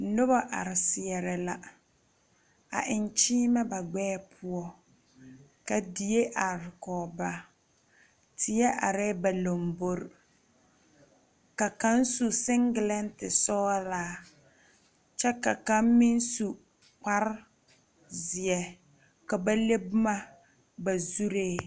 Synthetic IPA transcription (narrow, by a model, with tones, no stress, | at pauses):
nʊ˦ba˦ʔa̰˨ɾɪ˨sɪ˨ɛ˨ɾɪ˨la˨ | a̰˨ʔɪ˨n˦t͡ʃiː˦mɛ˦ba˨ɡ͡bɛː˦pʰʊ˦ɔ˦ | ka˨di˨e˦ʔa˨ɾɪ˨kɔː˨ba˨ | tʰɪ˦ɛ˦ʔa̰˨ɾɛ˦ba˨lo˨mbo˦ɾ | ka˨ka˦n˦su˨sɪ˦ŋɡɪ˨lɛ˦ntɪ˨sɔː˦laː˨˦ | t͡ʃɛ˦ka˨ka˦mmɪ˦n˦su˨ | k͡pa˦ɾ | zɪ˨ɛ˨ | ka˨ba˦le˦bʊ˦ma˦ | ba˨zu˦ɾeː˦